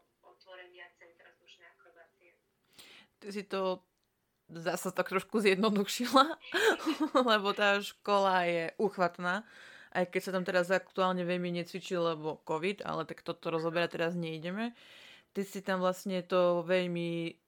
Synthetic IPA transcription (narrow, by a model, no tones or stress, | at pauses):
ɔt̪ʋɔɾɛɲɪat͡sɛt̪ɾazuʃnɛakɾɔbaːt͡siɛ | t̪isit̪ɔ | zasat̪ak̚t̪ɾɔʃkuzjɛd̪nɔd̪uʃila | lɛbɔt̪aːʃkɔlajɛʔuːxʋat̪naːʔajkɛcsat̪amt̪ɛɾazak̚t̪uaːlɲɛʋɛʎmiɲɛt͡sʋit͡ʃilɛbɔkɔʋid̪a̰lɛt̪akt̪ɔt̪ɔɾɔzɔbɛɾat̪ɛɾazɲɛiɟɛmɛt̪isit̪amʋlasɲɛt̪ɔʋɛʎmi